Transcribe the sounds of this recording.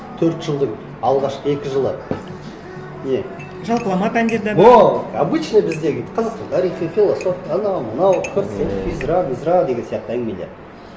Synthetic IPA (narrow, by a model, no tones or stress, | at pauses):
t̪ʰɵɾt̪ʒ̥əlˠd̪əɴ | ɑlˠʁɑʃqəe̞kʲɪʒəlˠə | ne | ʒɑlˠqəlˠɑmɑpænd̪e̞ɾd̪æoabɨt͡ʃnebɪzd̪e̞ɡʲeqʰɑzɑqst̪ɑnt̪ʰɑɾiχijfʲelˠosofɑnɑwmənɑwkʲʰʏɾt̪sefʲizɾɑmizɾɑd̪e̞ɡʲe̞nsijɑq̚t̪əæŋɡɪmelḛ